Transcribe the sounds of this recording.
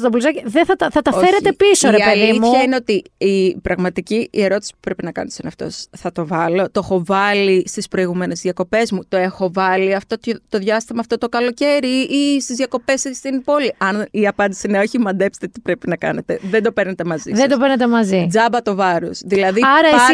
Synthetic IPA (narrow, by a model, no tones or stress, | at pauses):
t̪oblusɐciðeθɐt̪ɐθɐt̪ɐofeɾet̪e̞pisoɾeiɐelðiimuçɐineot̪iipɾɐɣmɐt̪iciːe̞ɾo̞t̪i̥si̥p̚u̥pɾe̞pinɐkɐ̰net̪son̰ɐft̪o̞̰sθɐt̪o̞vɐlo̞t̪oexo̞vɐlist̪ispɾo̞iɣume̞ne̞zðjɐko̞pe̞zmut̪o̞e̞xo̞vɐliɐft̪o̞t̪t̪o̞ðʝɐst̪imɐːft̪o̞t̪o̞kɐlo̞ce̞ɾiʔist̪izðʝɐko̞pe̞sist̪inpo̞liɐniɐpɐnd̪isineo̞çimɐnd̪epst̪et̪i̥pɾepinɐkɐ̰ne̞t̪e̞ðend̪opeɾnet̪emɐzisðɐd̪opeɾnet̪emɐzid͡zɐbɐt̪o̞vɐɾo̰sðilɐðiɐɾɐi